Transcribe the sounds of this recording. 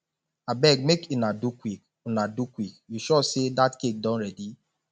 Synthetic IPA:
abɛɡ̚mekinadukwik | unadukwik̚juʃɔsedatkek̚dɔ̃nɹɛdi

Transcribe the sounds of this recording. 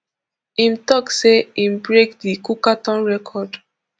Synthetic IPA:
ĩmtɔkseimbɹekdikukatɔ̃nɹɛkʰɔd

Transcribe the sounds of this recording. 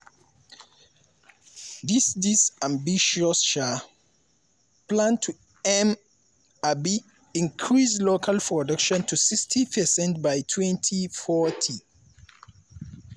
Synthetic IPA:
disdisãmbiʃɔsʃa | plãntʰu | ɛm | abi | ĩŋkʰɹislokʰalpʰɹɔdʌkʃɔ̃ntʰusikstʰipʰəsɛ̃ntbajtʰwɛ̃ntʰifɔtʰi

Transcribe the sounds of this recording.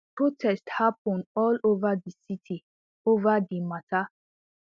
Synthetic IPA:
pʰɹotʰɛsthapə̃nɔlovədisitʰi | ovədimatʰa

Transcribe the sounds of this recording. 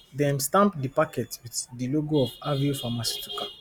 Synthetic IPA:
dɛ̃mstãmpdipakɛtwitdiloɡoɔfaviofamasi̥tʰu̥ka

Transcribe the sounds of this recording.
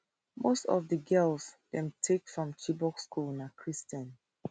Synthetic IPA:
mostɔ̰vdəɡɛlˠsdɛ̃mtʰekfɹɔ̃mt͡ʃibɔkskʰulˠnakʰɹistə̃n

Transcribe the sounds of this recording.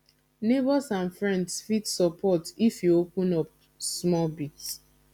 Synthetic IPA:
nebɔsãnfɹɛ̃ndsfitsɔpɔtifjuopũnɔp̚ | smɔlbits

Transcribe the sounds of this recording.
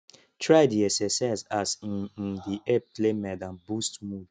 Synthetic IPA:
tʰɹajdiɛsɛsazasĩnĩndiʔɛb̚plemɛdãmbustmud

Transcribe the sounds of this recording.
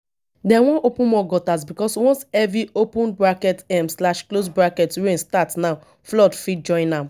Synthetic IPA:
dɛwɔ̃ʔopũnmɔɡɔtasbikɔswɔ̃nsɛviopũnbɹakɛtɛmslaʃklos̬bɹakɛtɹẽnstatnaʊ | flɔdfit̚d͡ʒɔ̃ɪ̃nãm

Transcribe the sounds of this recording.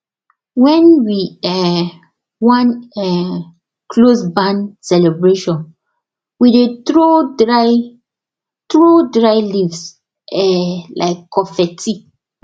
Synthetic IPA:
wɛ̃nwiɛ | wãnɛ | kʰlosbãnsɛlebɹeʃɔ̃n | widetɹoa | t̪ɹodɹaɪlivs | ɛlʔaɪkːɔfɛtʰi

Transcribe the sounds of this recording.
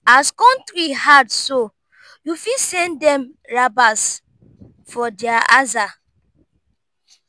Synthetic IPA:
askɔ̃ntɾihadso | jufisɛ̃ndɛ̃m | ɹabas | fɔdɛaaza

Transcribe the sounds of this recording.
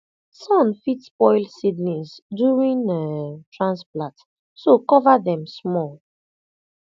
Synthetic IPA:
sɔ̃nfitspɔɪlsidnĩsdjuɹĩntɹãnsplãt | sokɔvaðɛ̃msmɔl

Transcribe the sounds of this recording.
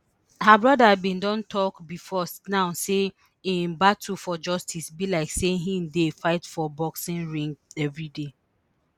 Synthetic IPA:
habɹɔdabĩndɔ̃ntʰɔkbifɔnãʊse | ĩmbatʰufɔd͡ʒɔstʰisbilaɪkseɦĩndefaɪtfɔbɔksĩnɹĩŋɡɛvɹide

